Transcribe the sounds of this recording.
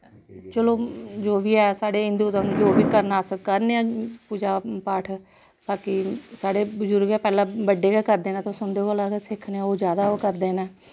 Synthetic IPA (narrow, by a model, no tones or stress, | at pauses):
t͡ʃəloːd͡ʒoːbiːɛːsaːɽeːɪ̃nd̪ut̪ãd͡ʒoːbiːkəɾnaːskəɾneːɛ̃ːpuːd͡ʒaːpaːʈʰ | baːkisaːɽeːbəzʊɾɡɛːpɛːlãːbəɖeːɡɛːkəɾd̪eːnɛ̃ːt̪oːsʊnd̪eːolaːɡesɪkʰːneãoːd͡ʒjaːd̪aːkəɾd̪eːnɛː